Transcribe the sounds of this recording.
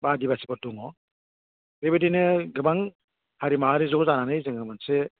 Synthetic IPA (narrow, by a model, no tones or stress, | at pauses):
badibasibɔduŋɔ | ɾebedinɯɡɯbaŋ | haɾimaɦaɾizɔkzananɯjzɯŋɯmanse